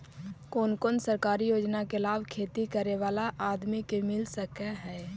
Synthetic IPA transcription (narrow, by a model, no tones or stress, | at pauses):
koːnkoːnsəɾkaːɾijoːd͡ʒnakelaːbkʰeːt̪ikəɾeʋaːlaʔaːd̪mikemɪlsəkeɦɛː